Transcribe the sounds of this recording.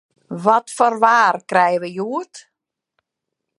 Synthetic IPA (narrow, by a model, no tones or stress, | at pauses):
ʋɔtfɔrʋaːrkrɛjəʋəjuət